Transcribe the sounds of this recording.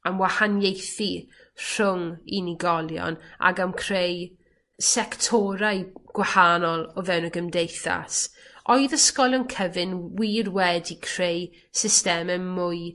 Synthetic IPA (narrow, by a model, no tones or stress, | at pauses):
amwahanjejθi | r̥ʊŋiniɡɔlˠjɔ̰na̰ɡamkʰr̥ej | sɛktʰɔɾaɨɡ̥wahanɔlˠɔvɛwnəɡəmdejθa̰sɔɨðəskɔlˠənkʰəvɪnwirwɛdikʰr̥ej | sɪstɛmɛmmʊɨ